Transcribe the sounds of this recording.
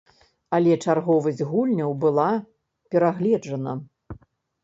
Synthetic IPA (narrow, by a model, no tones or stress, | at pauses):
ɐlʲɛt͡ʂarɣɔvɐzʲdʲɣulʲnʲɐwbɨlˠa | pʲɛɾaɣlʲɛd͡ʐɐnɐ